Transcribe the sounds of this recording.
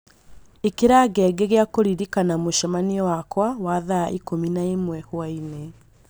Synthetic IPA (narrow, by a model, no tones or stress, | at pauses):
ekeɾaɡɛɡeɣeakoɾiɾikanamoʃamaniɔwakwawaːðaʔikominaemwɛhwaine